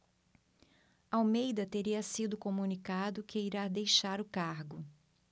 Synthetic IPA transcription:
awmejd̪ɐt̪eɾiɐsid̪ʊkomunikad̪ʊkɪiɾad̪ejʃaɾʊkaɾɡʊ

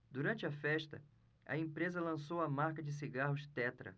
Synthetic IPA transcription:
d̪uɾɐ̃nt͡ʃɪɐfɛʃt̪ɐ̰ | ɐ̰ẽpɾezɐlɐ̃sowɐmaɾkɐd͡ʒɪs̬iɡaɦʊʃt̪ɛt̪ɾɐ̰

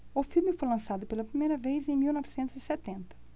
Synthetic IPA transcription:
ʊfilmɪfojlɐ̃sad̪ʊpelɐpɾimejɾɐvejzẽj̃miwnɔvɪsẽnt̪ʊzisɛt̪ẽnt̪ɐ̥

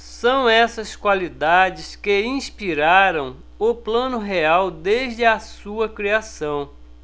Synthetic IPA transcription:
sɐ̃w̃ɛsɐskwalid̪ad͡ʒɪskɪĩspiɾaɾɐ̃w̃ | ʊplɐ̃nʊɦeawd̪eʒd͡ʒɪasuɐkɾiasɐ̃w̃

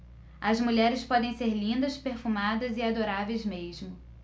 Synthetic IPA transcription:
ɐzmuʎɛɾɪspɔd̪ẽj̃seɾlĩnd̪ɐspeɾfumad̪ɐzɪad̪oɾavejzmeʒmʊ

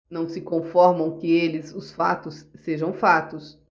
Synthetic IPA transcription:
nɐ̃w̃sɪkõfɔɾmɐ̃w̃kɪelɪzʊsfa̰t̪ʊsːeʒɐ̃w̃fat̪ʊs

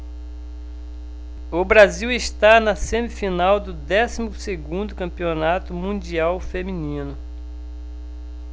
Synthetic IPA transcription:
ʊbɾaziwɪst̪anɐsẽmɪfinawd̪ʊd̪ɛsimʊseɡũnd̪ʊkɐ̃mpionat̪ʊmũd͡ʒiawfemĩnĩnʊ

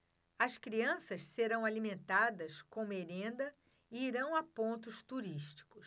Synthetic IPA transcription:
ɐskɾiɐ̃sɐsseɾɐ̃w̃alimẽnt̪ad̪ɐskõmʊeɾẽnd̪ɐ | ɪiɾɐ̃w̃apõnt̪ʊst̪uɾiʃt͡ʃi̥kʊs

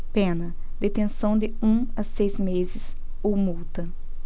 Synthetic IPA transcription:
pẽnɐ | d̪et̪ẽsɐ̃w̃d̪ɪũɐsejzmezɪs | umuwt̪ɐ

